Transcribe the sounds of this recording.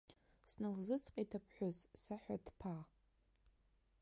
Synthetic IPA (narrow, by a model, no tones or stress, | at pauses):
snɨlzɨt͡sʰqʼitʰapʰħʷᶣozsaħʷᶣadpʰa